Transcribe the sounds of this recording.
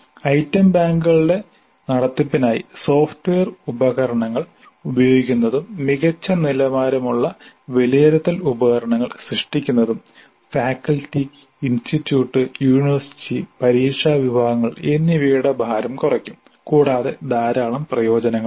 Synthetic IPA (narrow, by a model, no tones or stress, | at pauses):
ɐjtːɐmbaːŋɡuɣɐɭiɖe̞ | nɐɽɐt̪ːipːinaːjḭso̞ːfʈʋejɐrubɐɣɐɾɐɳɐŋːɐɭ | ubɐjo̞ːɡikʲːunːɐðumːiɣɐt͡ɕːɐnilɐmaːɾɐmuɭːɐ | ʋeleːɾɐt̪ːɐlubɐɣɐɾɐɳɐŋːɐɭɕriʂʈikʲːunːɐðum | faːkːɐltːiː | nstitːjuːʈːɨjuːɳiʋɐrsi̥tːipɐɾiːkʂaːʋibʱaːɣɐŋːɐɭenːiʋiːɽɐbʱaːɾɐmkurɐkʲːum | kuːɽaːðe̞d̪aːɾaːɭɐmprɐjo̞ːd͡ʑɐnɐŋːɐɭ